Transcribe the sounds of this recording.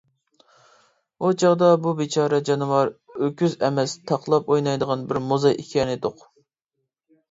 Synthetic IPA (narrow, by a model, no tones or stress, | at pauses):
ot͡ʃʰɑʁd̪ɑbubet͡ʃʰɑːɾɛd͡ʒɑnɨwɑɾøkʲʰyzɛmɛst̪ʰɑqʰlˠɑpojnɑjd̪əʁɑnbɪɾmozɑʔikʲʰɑnɨd̪ʊq